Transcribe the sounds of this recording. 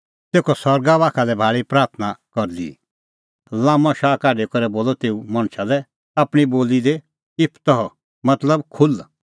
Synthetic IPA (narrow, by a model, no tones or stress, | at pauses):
t̪eːkʰɔsɔɾɡaʋaːkʰalɛbʱaːɭipɾaːɾt̪ʰnakɔɾd̪ḭ | lãːmɔ̃ʃaːkaːɖekɐɾɛboːlɔt̪eːumɐɽ̃ʃalɛ | aːpɽ̃iboːlid̪e | ɪpʰt̪ɔɦɔ | mɐt̪ləbkʰʊl